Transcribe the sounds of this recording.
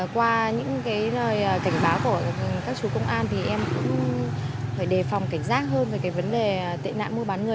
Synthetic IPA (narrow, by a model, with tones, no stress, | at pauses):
kwaː˧ɲɨ̰˧˥ŋkaː˨˦jləː˨˩jʔːka˧˩jŋ̟ɓaː˨˦wku˧˩əkaː˦˥k̚t͡ɕu˨˦kə˧wŋ͡mʔaː˧nt̪ʰi˨˩ʔɛ˧mkʊ̰˧˥ŋ͡m | faː˧˩jɗe˨˩fa˨˩wŋ͡mka˧˩jŋ̟zaː˦˥k̚ɦəː˧nvəː˨˩kaː˨˦jvə˨˦nɗe˨˩˨t̪ḭ˧˨na̰ː˧˨nmu˧əɓaː˨˦nŋɨ˨˩ə